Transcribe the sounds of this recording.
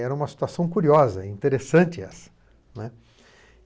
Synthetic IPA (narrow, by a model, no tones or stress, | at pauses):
ɛɾɐũmɐsi̥t̪uasɐ̃w̃kuɾiɔzɐĩnt̪eɾesɐ̃nt͡ʃɪɛsɐ̥ | nɛ